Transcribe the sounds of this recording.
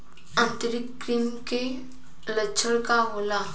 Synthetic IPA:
ãnt̪iɾik̚pɾimke | lət͡ʃʰəlkaɦola

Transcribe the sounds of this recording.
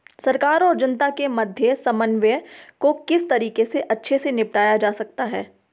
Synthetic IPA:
sɐɾkaːɾɔːɾd͡ʒɐnt̪akemɐd̪ʱjəsɐmənʋjəkokɪst̪ɐɾiːqeseʔɐtːʃʰesenɪpʈaːjad͡ʒaːsɐk̚t̪aɦɛː

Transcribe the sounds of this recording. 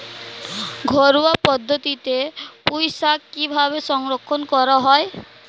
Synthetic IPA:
ɡʱɔɾuapɔd̪ʱːɔt̪it̪epujsakːibʱabesɔŋɾɔkʰːɔnkɔɾɔɦɔe

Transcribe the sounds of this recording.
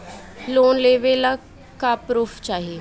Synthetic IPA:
loːnleːʋela | kapɾuːft͡ʃaːɦie

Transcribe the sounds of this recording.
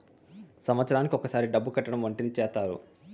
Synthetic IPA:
sɐmʋɐt̪sɐɾaːnikiɔkɐsaːɾiɖɐbːukɐʈːɐɽɐmʋɐɳʈid̪it͡ʃɛːst̪aːɾṵ

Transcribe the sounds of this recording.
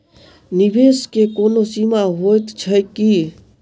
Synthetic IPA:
nibeskekoːnosimaɦojt̪t͡ʃʰəki

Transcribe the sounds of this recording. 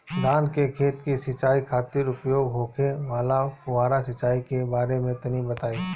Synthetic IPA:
d̪aːnkekʰeːt̪kisɐt͡ʃaːikʰaːt̪ɪɾʊpjoːɡɦoːkʰeʋaːlapʊʋaːɾasɪt͡ʃaːikebaːɾemẽt̪ɐnibɐt̪aːiː

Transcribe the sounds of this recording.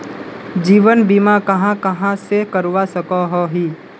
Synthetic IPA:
d͡ʒiːʋənbimakɐɦãkɐɦãsekəɾwasəkaɦoɦiː

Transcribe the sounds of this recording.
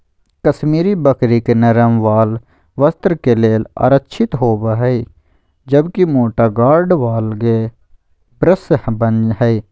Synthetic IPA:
kɐsmiːɾibəkɾikenɐɾəmʋaːl | ʋəst̪ɾkeleːla̰ːɾətːʃʰɪt̪ɦoːbɦɛi | d͡ʒɐbkimoːʈaɡaːɾɖʋaːlɡe | bɾəsbənɦɛi

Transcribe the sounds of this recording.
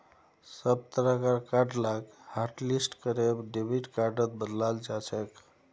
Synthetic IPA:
səb̚t̪əɾəkaɾkaɾɖlaɡhaɾʈlisʈkəɾebɖibiʈkaɾɖət̪̚bəd̪lald͡ʒat͡ʃʰək

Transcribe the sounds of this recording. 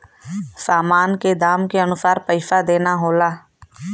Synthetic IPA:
saːmaːnked̪aːmkeɐnʊsaːɾpəɪʃad̪eːnaɦoːlaː

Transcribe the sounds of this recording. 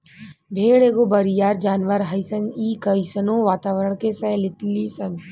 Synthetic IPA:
bʱeːɽeːɡobɐɾijaːɾd͡ʒaːnʋəɾɦɐjsəniːkəjsənõːʋaːt̪aːʋəɾəɳ̃kesɛːlɪt̪lisɐn

